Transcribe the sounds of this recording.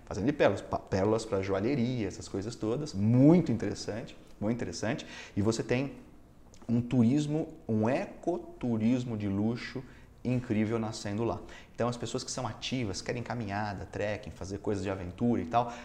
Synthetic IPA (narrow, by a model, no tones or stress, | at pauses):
fazẽnd̪ʊɪpɛlʊlɐspapɛlʊlɐspɾɐʒuaʎeɾiɐɛsɐ̥skojzɐst̪od̪ɐsmũj̃t̪ʊĩnt̪eɾesɐ̃nt͡ʃɪ̥mũt̪t̪eɾesɐ̃nt͡ʃɪ̥ɪvoset̪ẽj̃ | ũt̪uɾizmʊũekot̪uɾizmʊd͡ʒɪluʃʊ | ĩŋkɾivewnasẽnd̪ʊla̰ẽt̪ɐ̃w̃ɐspesoɐskɪ̥sɐ̃w̃at͡ʃivɐskɛɾẽj̃kamĩɲad̪ɐt̪ɾɛkẽj̃fazeɾkojzɐzd͡ʒɪavẽnt̪uɾɐit̪aw